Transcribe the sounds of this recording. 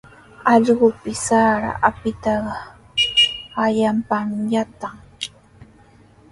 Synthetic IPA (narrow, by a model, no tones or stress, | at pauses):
ɑʎɢʊpɪsaːɾa̰ʔapɪt̪ɑɢɑ | ajampamjat̪aŋ